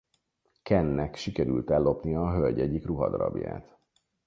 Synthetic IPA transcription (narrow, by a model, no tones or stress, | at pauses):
kɛnːɛkʃikɛɾylt̪ɛlːo̞pnijɒːɦølʲɟɛɟikruɦɒd̪ɒɾɒ̰bja̰ːt̪